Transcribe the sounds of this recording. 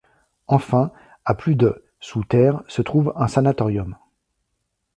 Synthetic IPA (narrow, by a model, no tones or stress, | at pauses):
ɑ̃fɛ̃ | aplyd̪ə | sut̪ɛːʁsət̪χuvɛ̃sanat̪ɔʁjɔm